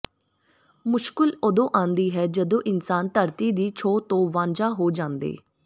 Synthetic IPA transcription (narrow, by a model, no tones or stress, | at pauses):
mʊʃkɪlod̪õːʔãːnd̪iːɦɛːd͡ʒəd̪õːʔɪnsaːnt̪əɾt̪iːd̪iːt͡ʃʰoːt̪õːʋãːɲd͡ʒaːɦoːd͡ʒãːnd̪ḛː